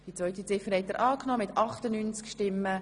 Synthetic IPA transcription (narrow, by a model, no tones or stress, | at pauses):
d̥it͡sʋœʏtit͡sɪfəɾhɛtːəɾʔɑːknɔːmɪt̪ɑχtənyːnt͡skʃtɪmːə